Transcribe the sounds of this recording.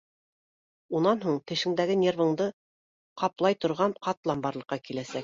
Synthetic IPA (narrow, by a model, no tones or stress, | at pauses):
unɑnɦuɴt̪ɘ̆ʃɘ̆ŋd̪æɡɘnʲervɤ̆ɴd̪ɤ | qɑplˠɑjt̪ŏɾʁɑnqɑt̪lˠɑmbɑɾlˠɤ̆qːɑkilæsæk